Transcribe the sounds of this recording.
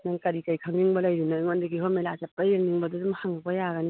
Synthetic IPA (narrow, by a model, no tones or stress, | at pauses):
naŋkaɾikajkʰaŋniŋbɐlajɾinaŋɔndiɡiɦɔmelazap̚ːajɯŋniŋbadudumhaŋabɔjaɡani